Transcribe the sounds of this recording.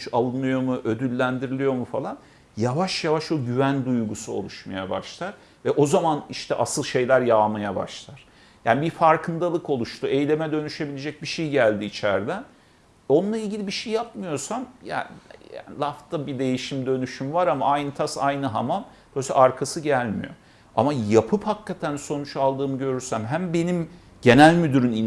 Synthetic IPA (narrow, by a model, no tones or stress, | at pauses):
t͡ʃalˠɯnɯjo̞muʔø̞d̪ylʲːænd̪iɾilʲijo̞mufalˠan | javaʃjavaʃoɟyvænd̪ujɡusuo̞̰lˠuʃmajaba̰ʃlˠaɾ̥ | vɛʔo̞zamaniʃt̪ʰɛ̰ʔasɯlˠʃe̞jlʲæɾjaːmajaba̰ʃlˠaɾ̥ | ja̰ːnbifaɾkʰɯnd̪alˠɯko̞lˠuʃt̪ʰuejlʲe̞mɛd̪ø̞nyʃe̞bilʲed͡ʒɛc̚biʃejɟælʲd̪iːt͡ʃʰæɾd̪æn | o̞nlˠailʲɟilʲibiʃejːapmɯjo̞samja̰ja̰ːnlˠaft̪ʰabid̪e̞jiʃimd̪ø̞nyʃymvaɾamaajnɯt̪ʰasajnɯɦa̰mamb̪̥osɛ̰ʔaɾkʰasɯɟælʲmḭjo̞̰ | a̰majapʰɯphakːat̪ʰænso̞nut͡ʃalˠd̪ɯːmɯɟø̞ɾyɾsæmɦæmbe̞nim | ɟ̥e̞nælʲmyd̪yɾyni